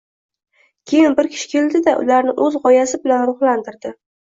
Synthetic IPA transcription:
kʲʰe̞jɪnbɪɾkʲʰɪ̥ʃɪ̥kʲʰe̞ld̪ɪd̪aʔʊ̰laɾnɪʔɵzʁɒjasɪbɪlanɾʊχlant̪ɪɾd̪ɪ

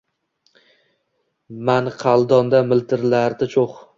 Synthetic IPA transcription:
manqʰɑlˠd̪ɒnd̪amɪlt̪ʰɪɾlaɾd̪ɪt͡ʃʰoχ

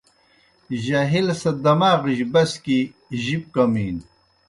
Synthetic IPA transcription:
ʑɐɦilsɐd̪ɐmaːʁiʑbɐski | ʑip̚kɐmiːn

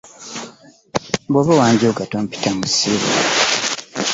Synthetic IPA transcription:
boβawaːɲɟoɡatom̩pi̥tamusiβo̰

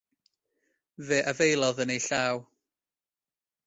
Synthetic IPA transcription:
vɛːʔavejlˠɔðənejɬaːw

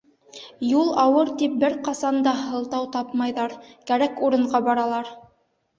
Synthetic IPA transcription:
julˠɑwɤɾt̪ip̚bɘɾqɑsɑnd̪ɑɦɤ̆lˠt̪ɑwt̪ɑpmɑjðɑɾkæɾækuɾɤ̆ɴɢɑbɑɾɑlˠɑɾ

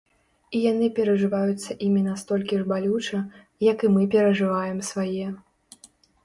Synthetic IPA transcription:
ijanɨpʲɛɾɐʐɨvajut̪sːɐʔimʲinast̪ɔlʲkʲiʐbalʲut͡ʂɐ | jɐkɨmɨpʲɛɾɐʐɨvajɛmsvajɛ

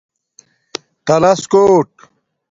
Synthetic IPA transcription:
t̪ɐlɐskoːʈ̚

